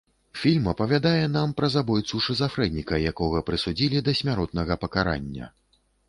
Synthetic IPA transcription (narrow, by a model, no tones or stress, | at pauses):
fʲilʲmɐpɐvʲad̪ajɛn̪ampɾɐzabɔjt̪suʂɨzafɾɛd̪nʲikɐjakɔɣɐpɾɨsud͡zʲilʲid̪ɐsʲmʲaɾɔt̪nɐɣɐpɐkaɾa̰nʲːɐ̰